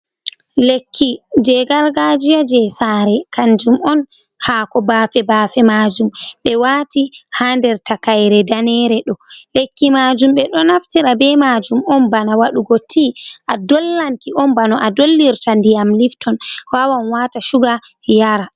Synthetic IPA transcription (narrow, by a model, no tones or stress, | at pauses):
lekʰːid͡ʒɛɡaɾɡad͡ʒijad͡ʒɛsaɾɛkand͡ʒumɔn | hakɔbaːfɛbaːfɛmad͡ʒumɓɛwatihandɛɾtakajɾɛdanɛɾɛɗɔlekːimad͡ʒumɓɛɗɔnaftiɾabɛmad͡ʒumɔnbanawaɗuɡotʰːiʔadɔlːaŋkiʔɔnbanɔʔadolːiɾtandijamliftʰɔnhwawanwataʃuɡa | jaɾa